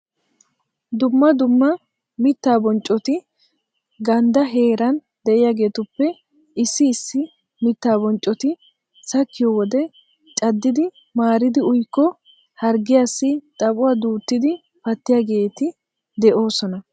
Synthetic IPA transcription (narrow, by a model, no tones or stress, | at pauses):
d̪ʊmːɐd̪ʊmːɐ | mɪt̪ːaːbɔnt͡ʃʼːɔt̪ɪ | ɡɐnd̪ɐɦe̞ːɾɐn | d̪ɛʔɪjaːɡe̞ːt̪ʊpːɛ | ɪsːɪːsːɪ | mɪt̪ːaːbɔnt͡ʃʼːɔt̪ɪ | sɐkːɪjɔwɔd̪ɛ | t͡ʃʼɐd̪ːɪd̪ɪ | maːɾɪd̪ɪʊjkːɔ | hɐɾɡɪjasːɪt̪ʼɐbʊwaːd̪uːt̪ːɪd̪ɪ | pɐt̪ːɪjaːɡe̞ːt̪ɪ | d̪ɛʔo̞ːsɔnɐ